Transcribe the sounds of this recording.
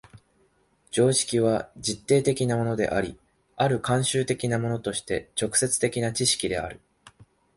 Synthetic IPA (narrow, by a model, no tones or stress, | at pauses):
d͡ʑo̞ːɕi̥kʲiβ̞ad͡ʑit̪ːe̞ːt̪e̞kʲinamo̞no̞d̪e̞̰ʔa̰ɾʲi | aɾɯ̟kãɰ̃ɕɨːt̪e̞kʲinamo̞no̞t̪o̞ɕi̥t̪e̞t͡ɕo̞kɯ̟̥se̞t͡sɨ̥t̪e̞kʲinat͡ɕiɕi̥kʲid̪e̞a̰ɾɯ̟